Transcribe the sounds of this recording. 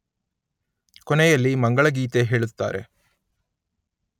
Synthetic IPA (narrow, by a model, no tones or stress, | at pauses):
kɔnɛjɐlːimɐŋɡɐɭɐɡiːt̪eɦe̞ːɭut̪ːa̰ːɾe̞̰